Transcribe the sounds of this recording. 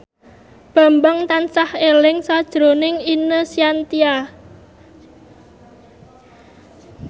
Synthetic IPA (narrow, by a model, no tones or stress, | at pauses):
b̥a̤mbəŋt̪ansahelɪŋsad̥ʒ̥ɾo̤nɪŋinəsiant̪ia